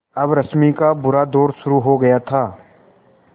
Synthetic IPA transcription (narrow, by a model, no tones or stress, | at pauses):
ɐbɾɐsmikabʊɾad̪oːɾʃʊɾuɦoɡɐjat̪ʰaː